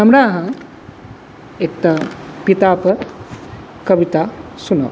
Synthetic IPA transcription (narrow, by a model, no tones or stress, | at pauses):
ɐmɾaːɦɐ̃ | ek̚t̪apit̪aːpə | kɐʋit̪asuna̰w